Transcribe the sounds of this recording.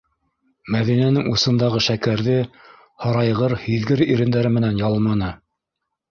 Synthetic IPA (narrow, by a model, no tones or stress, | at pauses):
mæðinænɘŋusɤ̆nd̪ɑʁɤʃækæɾðɘ | hɑɾɑjʁɤɾhiðɡɘɾiɾɘ̆nd̪æɾɘmɘ̆nænjɑlˠmɑnɤ